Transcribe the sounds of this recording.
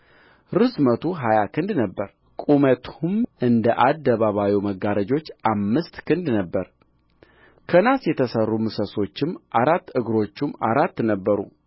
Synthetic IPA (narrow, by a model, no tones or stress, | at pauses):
ɾɨsmət̪ʰuɦajakʰɨnd̪nəbːəɾ | kʼumət̪ʰumɨnd̪əʔad̪ːəβaβawiməɡːaɾəd͡ʒo̞t͡ʃːamːɨst̪kʰɨnd̪nəbːəɾ | kʰənasjɛt̪ʰəsərːumɨsəso̞t͡ʃːɪmʔaɾat̪ːɨɡɾo̞t͡ʃːumaɾat̪ːnəbːəɾṵ